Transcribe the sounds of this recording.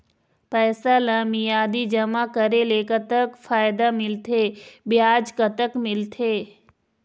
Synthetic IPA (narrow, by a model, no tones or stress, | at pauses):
pɛːsalãmijaːd̪id͡ʒɐmakəɾeleːkət̪əkfaːjd̪amɪlt̪ʰeːbɪjaːd͡ʒkət̪əkmɪlt̪ʰeː